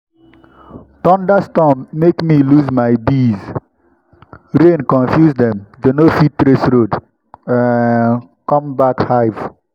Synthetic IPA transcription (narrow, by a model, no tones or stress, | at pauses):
tɔ̃ndastɔ̃mːekmiluzmajbiz | ɾẽnkɔ̃nfjusdɛ̃md͡ʒonofittɾesɾod̃ | kɔ̃mbakhajv